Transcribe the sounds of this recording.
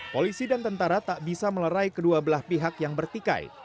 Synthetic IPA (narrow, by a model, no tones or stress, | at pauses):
polisidant̪ənt̪aɾat̪aʔbisamələɾaijkəduabəlahpiɦakjaŋbərt̪ika̰j̰